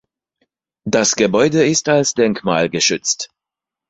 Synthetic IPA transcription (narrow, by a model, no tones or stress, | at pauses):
d̥asɡ̥əbɔʏdəɪstalsd̥ɛŋkma̰ːlɡəʃʏt͡st